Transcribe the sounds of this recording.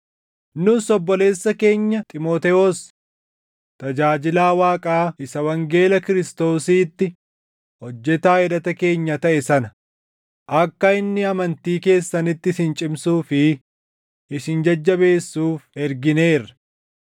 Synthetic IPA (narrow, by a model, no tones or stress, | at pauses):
nʊsɔbːɔle̞ːsːɐke̞ːɲːɐt̪ʼɪmoːt̪ɛos | t̪ɐd͡ʒaːd͡ʒɪlaːwaːkʼaːɪsɐwɐŋɡe̞ːlɐkɪɾɪst̪o̞ːsiːt̪ːɪ | hɔd͡ʒːɛt̪aːɛdɐt̪ɐke̞ːɲːɐt̪ɐʔɛsɐnɐ | ʔɐkːɐɪnːɪɐmɐnt̪iːke̞ːsːɐnɪt̪ːɪsɪnt͡ʃʼɪmsuːfɪ | ɪsɪnd͡ʒɐd͡ʒːɐbe̞ːsːuːfɛɾɡɪne̞ːɾɐ̥